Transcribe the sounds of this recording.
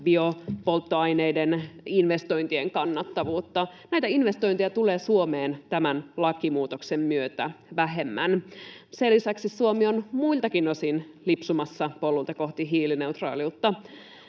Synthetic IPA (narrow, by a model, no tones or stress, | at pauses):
biopolt̪ːoɑjnejdeninʋe̞st̪o̞jnt̪ie̞ŋkɑnːɑt̪ːɑʋuːt̪ːɑnæjt̪æinʋest̪o̞jnt̪ijɑt̪ule̞ːsuomeːnt̪æmænlɑkːimuːt̪oksemmyøt̪æʋæɦe̞mːænselːisæksissuomionmuilt̪ɑkinosinlipsumɑsːɑpo̞lːult̪ɑko̞ht̪iɦiːline̞ut̪rɑ̰ːliut̪ːɑ